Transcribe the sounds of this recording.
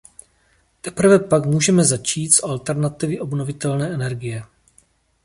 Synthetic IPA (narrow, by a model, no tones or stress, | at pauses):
t̪ɛpɾvɛpakmuːʒɛmɛzat͡ʃiːt̪zʔalt̪ɛɾnat̪ɪvɪʔo̞bno̞vɪt̪ɛlnɛːʔɛnɛɾɡɪjɛ